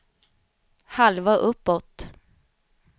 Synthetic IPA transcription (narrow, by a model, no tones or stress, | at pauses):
halvaʔɵpːɔt̪